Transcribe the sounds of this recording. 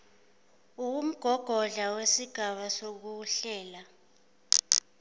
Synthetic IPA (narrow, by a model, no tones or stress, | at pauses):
uum̩ɡ̥ʱɔɡ̥ʱɔɮawesiɡ̥ʱaɓasok̬uɬɛːla